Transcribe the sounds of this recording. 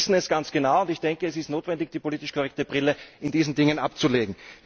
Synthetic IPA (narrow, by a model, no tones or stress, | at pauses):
sn̩ɛsɡ̥ant͡sɡ̥ənaʊʊntɪçd̥ɛŋkəɛs̬ɪstnoːtvɛndɪçd̥iːpoliːtɪʃkʰoʁɛk̚təbʁɪləɪndiːzn̩dɪŋənʔapt͡suleːɡŋ̩